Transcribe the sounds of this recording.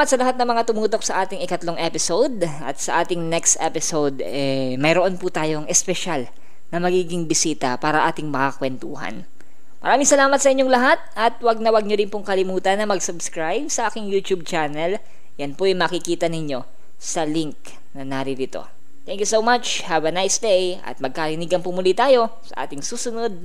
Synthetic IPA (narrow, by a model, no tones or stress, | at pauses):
ɐt̪̚sɐlɐɦat̪̚nɐŋmɐŋat̪ʊmuːt̪o̞k̚sɐʔaːt̪ɪŋɪkɐt̪loŋʔɛpɪsowd̪̚ʔɐ̰t̪̚sɐʔaːt̪ɪŋnɛkst̪ʔɛpɪsowd̪ | ɛmɐjɾoʔonpʊt̪aːjoŋɛspɛʃal | nɐmɐɡiːɡɪŋbɪsiːt̪ɐpaːɾɐʔaːt̪ɪŋmɐkakwɛnt̪uhɐ̰n | mɐ̰ɾaːmɪŋsɐlaːmɐt̪sɐʔɪɲːoŋlɐɦat̪̚ʔɐt̪̚wɐɡ̚nɐwɐɡ̚ɲodɪnpʊŋkɐlɪmuːt̪ɐnːɐmɐɡsɐbskɹajb̚sɐʔaːkɪŋjuːt̪jub̚t͡ʃanɐl | jɐnpojɛmɐkɪkiːt̪ɐnɪɲo̞ | sɐliŋk̚ | nɐnaːɾɪd̪ɪt̪o̰ | t̪ɛŋkjusowmat͡ʃhavɐnajsd̪ejɐ̰t̪̚mɐɡ̚kɐɾɪniɡɐnpʊmʊlit̪aːjo̞ | sɐ̰ʔa̰ːt̪ɪŋsuːsʊnod̪̚